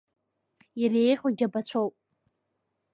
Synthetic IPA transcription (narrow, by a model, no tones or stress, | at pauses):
jarejχʲoɡʲabat͡ɕʷʰowpʼ